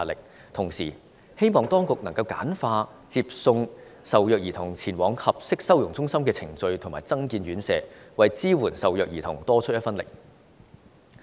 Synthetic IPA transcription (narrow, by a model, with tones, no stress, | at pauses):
lɪ˨k̚ | t̪ʰʊ˨˩ŋsiː˨˩ | he˥jmɔː˨ŋt̪ɔː˥ŋkʊ˨k̚nɐ˨˩ŋkɐ˧wka̰ː˨˥nfaː˧ | t͡siː˧p̚sʊ˧ŋ | sɐ˨wjœː˨k̚jiː˨˩t̪ʰʊ˨˩ŋt͡sʰiː˨˩nwɔː˨˥ŋhɐ˨p̚sɪ˥k̚sɐ˥wjʊ˨˩ŋt͡sʊ˥ŋsɐ˥mkɛː˧t͡sʰɪ˨˩ŋt͡sɵ˧ɥt̪ʰŋmaː˨˩jt͡sɐ˥ŋkiː˧nɥyː˨˥nsɛː˨˧wɐ˨jt͡siː˥wuː˨˩nsɐ˨wjœː˨k̚jiː˨˩t̪ʰʊ˨˩ŋt̪ɔː˥t͡ʃʰɵ˥jɐ˥tfɐ˥nlɪ̰˨k̚